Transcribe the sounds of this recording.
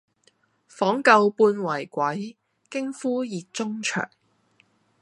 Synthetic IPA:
fɔː˨˥ŋkɐ˧wpuː˧nwɐ˨˩jkʷɐ˨˥j | kɪ˥ŋfuː˥jiː˨t̚t͡sʊ˥ŋt͡ʃʰœ̰ː˨˩ŋ

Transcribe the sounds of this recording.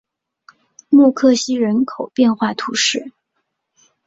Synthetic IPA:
mu˥˧kʰɤ˥˩ɕi˥ɻə˧˥nkʰo˨˩ʊpjɛ˥˧nxwa˥˩t̪ʰu˧˥ʂɻ̩˥˩

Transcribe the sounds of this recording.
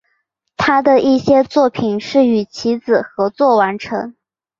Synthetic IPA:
t̪ʰa˥d̪ə˨i˥˩ɕjɛ˥t͡swɔ˥˩pʰi˨˩nʂɻ̩˥˩y˨˩t͡ɕʰi˧˥d͡zɹ̩˨˩xɤ˧˥t͡swɔ˥˩wa˧˥nʈ͡ʂʰɤ˧˥ŋ

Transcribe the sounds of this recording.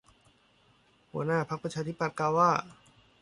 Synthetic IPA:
hu˩˦ənaː˥˩pʰa˦˥k̚pa˧t͡ɕʰaː˧t̪ʰi˦˥pa˨t̪̚kaː˧˩waː˥˩

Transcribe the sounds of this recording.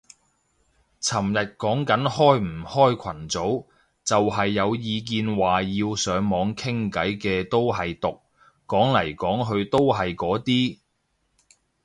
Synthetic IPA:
t͡sʰɐ˨˩mjɐ˨t̚kɔː˨˥ŋkɐ˨˥nhɔː˥jm̩˨˩hɔː˥jkʷʰɐ˨˩nt͡so˨˥w | t͡sɐ˨whɐ˨jːɐ˨˧wjiː˨˧k̬iː˨˧nwaː˨jiː˧wsœː˨˧ŋmɔː˨˧ŋkʰɪ˥ŋkɐ˨˥jkɛː˧t̪o˥wɦɐ˨jt̪ʊ˨k̚ː | ɔː˨˥ŋlɐ˨˩jkɔː˨˥ŋɦɵ˧ɥt̪o˥wɦɐ˨jkɔː˨˥t̪iː˥

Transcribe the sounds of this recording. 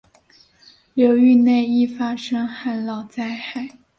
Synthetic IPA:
ljo˧˥ʊy˥˧ne˥˧ɪi˥˩fa˥ʂɤ˥ŋxa˥˩nlɑ˨˩ʊt͡sa˥˧ɪxa˥˩ɪ

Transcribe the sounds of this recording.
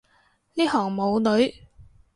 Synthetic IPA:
niː˥hɔː˨˩ŋmo˨˧wlɵ˨˥ɥ

